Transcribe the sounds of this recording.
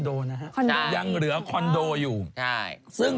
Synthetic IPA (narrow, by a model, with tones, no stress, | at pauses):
doː˧na˦kʰa˦˥kʰɔ˧noː˧ja˧ŋɾɯ˩˦ɐ˦kʰɔ˧ndoː˧juː˨˩t͡ɕʰa˥˩ | sɯ˥˩ŋ